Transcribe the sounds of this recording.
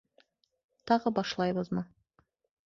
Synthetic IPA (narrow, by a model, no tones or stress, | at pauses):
t̪ʰɑʁəbɑʃlˠɑjbəzmɑ